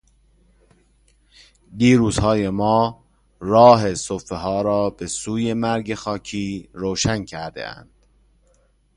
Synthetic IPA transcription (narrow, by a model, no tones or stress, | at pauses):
d̪iːɾuːz̥hɒːje̞mɒː | ɾɒːɦe̞sofe̞ɦɒːɾɒːb̥e̞suːje̞mæɾɟe̞xɒːcʰiːɾoːʃæncʰæɾd̪ḛæ̰nd̪̥